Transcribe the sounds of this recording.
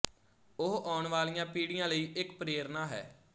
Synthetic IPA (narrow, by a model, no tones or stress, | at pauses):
ʊɦʔɔːɳʋaːlijãːpiːɽɪjãːləiːʔɪkpɾeːɾnaːɦɛ̰ː